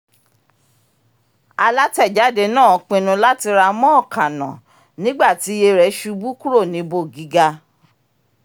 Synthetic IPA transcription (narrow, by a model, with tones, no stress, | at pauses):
a˧la˦tɛ˦˨d͡ʒa˨˦de˧nãː˦˨ɔ˨˦k͡pĩ˧nũ˧la˦ti˧ɾa˧mɔ̃˦ɔ˦˨kã˨nã̰˨ | nĩ˦ɡ͡ba˦˨ti˨˦je˧ɾɛ˨˦ʃu˧bu˦ku˦ɾo˦˨nĩ˨˦bo˦˨ɡi˨˦ɡa˧